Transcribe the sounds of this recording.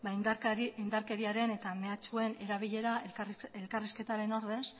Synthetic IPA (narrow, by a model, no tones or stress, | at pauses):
baind̪aɾke̞ɾiaɾe̞ne̞t̪ame̞at͡ʃue̞ne̞ɾaβ̞iʎe̞ɾae̞lkariske̞t̪aɾe̞no̞ɾðe̞s